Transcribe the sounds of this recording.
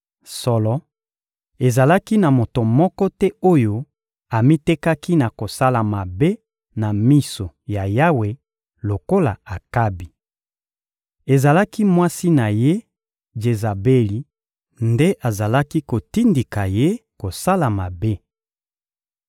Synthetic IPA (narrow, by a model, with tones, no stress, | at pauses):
sɔ˨lɔ˨ | e˨za˨la˦ki˦na˨mo˨to˨mɔ˦kɔ˦tɛ˦o˦jo˦ | a˨mi˦te˦ka˦ki˦na˨ko˨sa˦la˨ma˨be˦ | na˨mi˦so˨ja˨ja˦we˨ | lo˨ko˦la̰˨a˨ka˦bi˨ | e˨za˨la˦ki˦mwa˦si˦na˨je˦ | d͡ʒe˨za˨be˦li˨ | nde˦ʔa˨za˨la˦ki˦ko˨ti˦ndi˨ka˨je˦ko˨sa˦la˨ma˨be˦